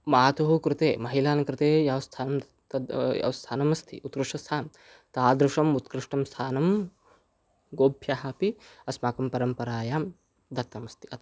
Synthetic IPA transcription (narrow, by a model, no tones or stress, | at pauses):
maːt̪oɦukɾɪt̪eːmɐɦilaːnɐkɾɪt̪eːjɐʋɐst̪ʰaːnɐm | ɐjɐ̰ʋɐst̪ʰaːnɐmɐst̪ʰḭʔut̪̚kɾɪʂʈɐst̪ʰaːm | t̪aːd̪ɾɪʂɐmut̪̚kɾɪʂʈɐmst̪ʰaːnɐm | ɡoːbʱjaɦapiɐsmaːkɐmpɐɾɐmpɐɾaːjaːm | d̪ɐt̪ːɐmɐst̪ʰi̥ɐt̪